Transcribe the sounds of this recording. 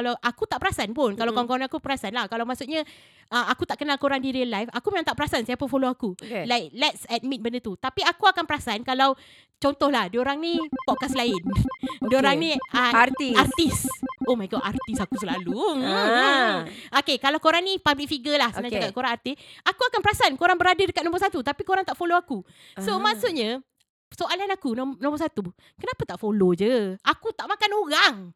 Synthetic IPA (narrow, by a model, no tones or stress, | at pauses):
kalawʔakut̪aʔpəɾasanpʊnkalawkɔŋkɔŋnĩakupəɾasanlahkalawmaʔsut̪̚ɲã | ʔəmakut̪aʔkənalkoɾaŋdiɾiəlajfakumənãŋt̪aʔpəɾasansiapəfoloakuelajklɛt̚sɛt̪̚mit̪̚bəndət̪ut̪apiakuakanpəɾasankalaw | t͡ʃɔnt̪ɔhlahdioɾaŋnĩpɔʔkaslaɪndioɾaŋnĩat̪iart̪isomakaʔart̪isakusəlalu | okekalawkoɾaŋnĩpablik̚fiɡəlahsnad͡ʒakaʔkoɾaŋart̪isakuakanpəɾasankoɾaŋbəɾadadəkat̪̚noɔ̃mbɔrsat̪ut̪apikoɾaŋt̪aʔfoloaku | somãʔsuʔ̪̚ɲa | soʔalanakunnɔ̃mbɔsat̪u | kənãpat̪aʔfolod͡ʒəakut̪aʔmãkanoɾaŋ